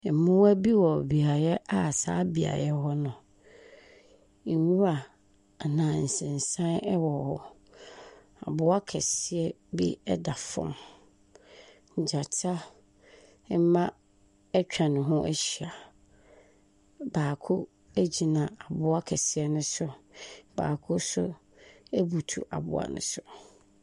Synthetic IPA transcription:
mʊ̃˦æ˦bi˦wɔ˨bi˨a˨jɛ˦ʔa˦˨sa̰ː˦bi˨a̰˨jɛ˦hɔ˦nʊ̃˨ | wũ˦a˨ | nã˨n̩˨sɪ̃˨n˨sã˦nɛ˦wɔ˨hɔ˦ | a˨bʊ˦a˦kʰɛ˨sɪ˨ɛ˦ | bḭ˦ɛ˦da˨fɔ̰̃˦m | ɲ̩˨d͡ʑa˨tʰa˦ | mã˦ | ɛ˦t͡ɕᶣa˨nʊ̃˨ɦʊ̃˦ʔæ˦ɕi˨a˨ | baː˨kʰʊ˦ | æ˦d͡ʑi˨nã˨a˨bʊ˦a˦kʰɛ˨sɪ˨ɛ˦nʊ̃˦sʊ˦b̥a̰ː˨kʰʊ˦sʊ˦ | æ˦bu˨tʰṵ˨ʔa̰˨bʊ̰˦a̰˨nʊ̰̃˨˦sʊ˨

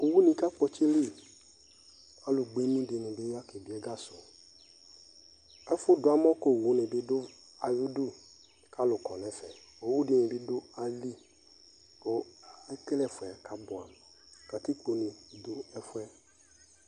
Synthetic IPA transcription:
o˨wu˦nĩ˨ka˦k͡pɔ˦t͡ʃe˦li˦ | ka˦lʊ˨ɡ͡be˦nũ˦dɪ˨nɪ̃˨bɪ˦ja˦ke˨bi˦ɛ˦ɡa˦sʊ˨ | ɛ˦fʊ˦dʊ˨˦a˨˦mɔ̃˦ko˦˨wu˨˦nɪ̃˨bɪ˦dʊ˦ | a˨ju˦du˦˨ | ka˦lʊ˨kɔ˨nɛ̃˨fɛ˨ | o˨wu˦dɪ˨nɪ̃˨bɪ˦dʊ˦a˨li˦ | ko˨ɛ˦ke˦lɛ˦˨fʊ˨a˨ka˦bʊ˨a˨ | ka˨ti˦k͡po˨nĩ˨dʊ˨ɛ˦fʊ˦ɛ˦

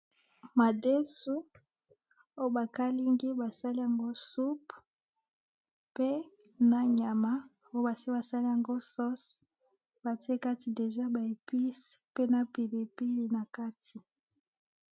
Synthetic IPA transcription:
ma˨de˦su˦ | o˦jo˦ba˨ka˦li˦ŋɡi˦ba˨sa˦li˦ja˨ŋɡo˦su˦p | pe˦ | na˨ɲa˨ma˦˨o˦o˦ba˨si˦ba˨sa˦li˦ja˨ŋɡo˦sɔ˦s | ba˨ti˦e˦ka˦ti˨de˨ʒa˦ba˨e˨pi˦spe˦na˨pi˨be˨pi˦li˨na˨ka˦tʰi˨

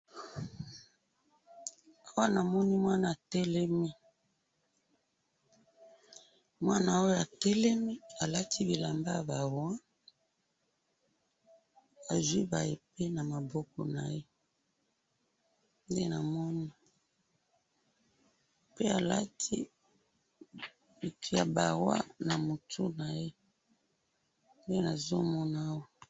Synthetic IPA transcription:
a˦wa˦na˨mɔ˦ni˦mwa˦na˨tɛ˦lɛ˦mi˦ | mwa˦na˨o˦jo˨a˨tɛ˦lɛ˦mi˦a˨la˦tʰi˦bi˨la˨mba˦˨ba˨ʁwã˦ | a˨zwi˦ba̰˨je˨pe˦na˨ma˨bɔ˦kɔ˨na̰˨je˦ | nde˦na˨mɔ˦ni˦ | pe˦a˨la̰˦tʰi˦ | bi˨tu˦ja˨ba˨ʁwa̰˦na˨mo˨tʰu˦na˨je˦ | nde˦na˨zo˦mɔ˦na˦wo˦

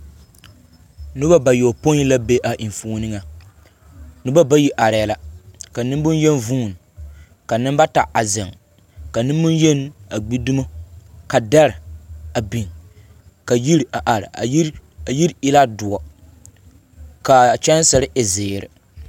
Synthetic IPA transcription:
nʊ˦ba˦ba˨jo˨po˦i˦la˦be˦ʔa˨ʔi˨ɱ˨fuː˦nɨ˦ŋa˨ | nʊ˦ba˦ba˦ji˦ʔa˨ɾɪ˨la˨ka˨nɪ˦bʊ˦n˦jɛ˦nvũː˦˨n˨ | ka˨nɪ˦mba˦ta˨a˨za˨ŋ | ka˨nɪ˦mmʊ˦njɛ˦na˨ɡ͡bi˦du˦mo˦ka˨da˦ɾɪ˨a˨bi˨n | ka˨ji˦ɾa˨ʔa˨ɾɪ̰˨˦˨ji˦ɾɪ˦la˦dʊ˨ɔ˨ | ka˨t͡ʃɛ˦n˦sɛ˨ɾɪ˦ʔɛ˨zeː˨ɾɪ̰˨

